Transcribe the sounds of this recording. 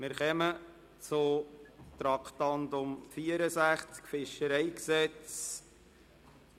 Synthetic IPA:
mɪɾχɛmə | t͡sʊtɾɑkχtɑndʊmfiːəɾəsæχt͡skfɪʃəɾɛɪksɛt͡s

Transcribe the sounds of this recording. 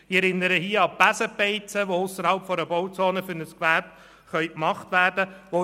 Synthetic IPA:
ɪɛɾɪnːəɾəhiəɑpæsəpɛɪt͡səʋoʊsəɾhɑlpfɔɾəbɔwt͡soːnəfʏɾnəskʋæɾb̥ | χœʏkmɑχtʋæːrdəʋo

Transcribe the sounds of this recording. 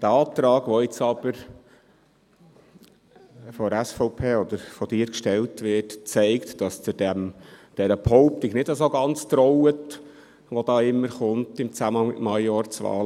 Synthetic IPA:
d̥æɑːp̚t̪ɾɑːɡʋoɪt͡sɑb̥əɾ | fɔɾæsfɔʊpʰeːɔd̪əɾfɔd̥ɪːɾkʃtɛltʋɪtt͡sɛɪktd̥ɑst͡sʊdɛmd̥ɛɾəphɔʊp̚tɪɡnɪdəsoɡɑnt͡st̪ɾɔwət | ʋod̥ɑːɪmːəɾχʊntɪmt͡sæməɑŋmɪ̰tmɑjɑːɾt͡sʋɑ̰ːl

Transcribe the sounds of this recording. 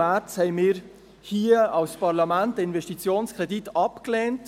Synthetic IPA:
æt͡shɛɪmɪːɾ | hiəɑwspɑɾlɑmæntəɪnvɛʃtit͡sjoːnskʁɛditɑpklɛːnt

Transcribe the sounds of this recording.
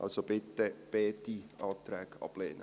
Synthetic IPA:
ʔɑ̰lsob̥ɪt̪ːəb̥eːtiʔɑːt̪ɾɛːkɑ̰b̥leːnə

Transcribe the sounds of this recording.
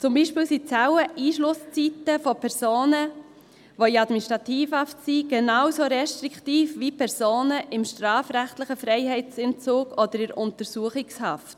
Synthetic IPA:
t͡sʊmbiːʃpɪːlsit͡sawəʔiːʃlʊst͡sitəfopʰɛɾsoːnə | ʋoiɑdminiʃtɾɑtiːfhɑftsiɡ̥enɑwsoɾɛʃtɾiktiːfʋipʰɛɾsoːnəʔɪmʃtɾɑːfɾæχtlɪχəfɾɛɪɦɛɪt͡sɪnt͡sʊːɡɔd̥̪əɾɪɾʊntəɾsuəχɪkshɑft

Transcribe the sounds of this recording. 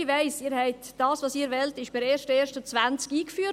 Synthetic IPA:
ʋɛɪsiːɾhɛɪtd̥ɑːsʋɑːsiːɾʋɛltɪʃb̥ɪɾeːʃtəeːɾʃtət͡svænt͡skiːkfyː

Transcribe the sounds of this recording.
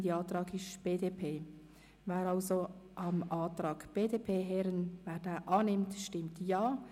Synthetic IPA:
diɑːtɾɑːɡɪʃb̥eːdeːpʰeː | vɛːɾɑlzoʔɑmɑːtɾɑːɡb̥eːdeːpʰeːɦɛɾənvɛːɾdɛːʔɑːnɪmtʃtɪmtjɑː

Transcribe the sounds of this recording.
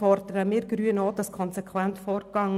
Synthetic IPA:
ɔɾd̥̪əɾəmɪːɾɡɾyːənoːd̥̪ɑskʰɔnsekʰwænt̪fɔːɾɡɑŋ

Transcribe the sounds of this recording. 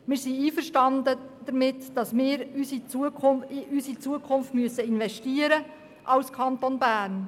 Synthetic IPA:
mɪːɾsiiːfərʃtɑndəd̥̪əɾmɪtd̥ɑsmɪːɾysit͡suəkʰʊɪʔysit͡suəkʰʊnftmyəsəɪnvɛʃtiəɾə | ʔɑwskʰɑnt̪onbæːɾn

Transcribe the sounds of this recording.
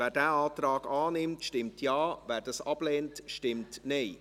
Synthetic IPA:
vɛːɾdɛaːtraːɡaːnɪmtʃtɪmtʰjaːvɛːɾdɑsɑbleːntʃtɪmtneː

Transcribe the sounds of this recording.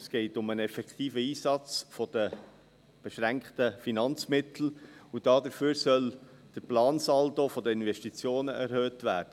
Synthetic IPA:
sɡ̥ɛɪtʊmənɛfɛkχt̪iːfəiːsɑt͡sfɔd̥ə | b̥ɛʃɾæŋkχtəfinɑnt͡smɪtl̩ud̥ɑːd̪əɾføːɾsœl | d̥əɾplɑːnsɑltofɔdəɪnʋɛʃtit͡sjoːnəʔɛɾhøːtʋæːɾd̥ə

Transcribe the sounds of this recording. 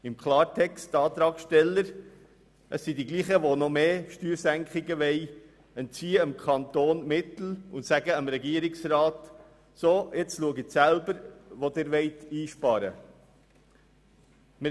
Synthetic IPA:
ɪmkʰlɑːɾtʰɛkstɑːt̪ɾɑːksʃtɛlːəɾ | ʔəsːidiɡliːχəʋonɔmeːʃtyːɾsæŋkχɪɡəʋɛɪ | ənt͡siːəəmkʰɑnt̪oːnmɪt̪l̩ʊntsæɡəəmɾɛɡiəɾɪksɾɑːt̪ | soːɪt͡sluəɡɪsælbəɾʋod̪ɪɾʋɛɪt̪iːʃpɑɾə̰ | mɪ

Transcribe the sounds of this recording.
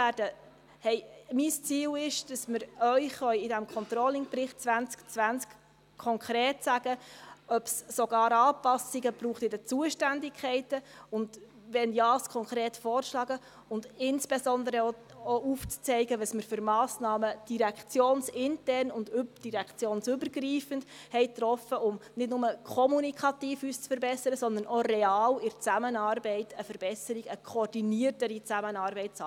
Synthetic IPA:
æd̥ə | hɛɪmist͡siːlɪʃd̥ɑsmɪɾœʏχœʏɪdæmkʰɔnt̪ɾɔlɪŋprɪχt̚t͡svænt͡skt͡svænt͡sk | kʰːɔŋkʰɾeːtsæɡ̥əœpsːoɡ̥ɑːɾɑːpɑsiɡəb̥ɾuːχt̪ɪdɛt͡suəʃtændɪkʰχɛɪtəʊnd | ʋɛnjɑːskʰɔŋkɾeːtfɔːrʃlɑːɡə | ʊndɪnsb̥esɔndəɾəo | oʔuːft͡st͡sɛɪɡəʋəsməɾfʏɾmɑːsnɑːməd̥iɾɛkχt͡sjoːnsɪntɛrnʊndybd̥iɾɛkt͡sjoːnsʏbəɾɡriːfənd̥ | hɛɪt̪rɔfəʔʊmnɪdnʊməkʰɔmunikʰɑtiːfyst͡sfəɾbɛsəɾəsɔnd̪əɾnɔrɛɑːlɪɾt͡sæmənɑːrbɛɪtʰəfəɾb̥ɛsəɾiɡ̥əkʰoɾd̥iniətəɾit͡sæmənɑːɾbɛɪtt͡sɑ

